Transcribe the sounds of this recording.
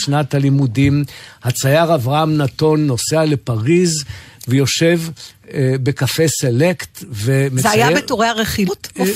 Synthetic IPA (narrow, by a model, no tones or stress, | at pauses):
ʃnat̪alimudimhat͡sajaʁavʁaamnat̪o̞nːo̞seale̞paʁizvejo̞ʃe̞v | be̞kafeselekt̪vemeeajabetoʁeaʁeχit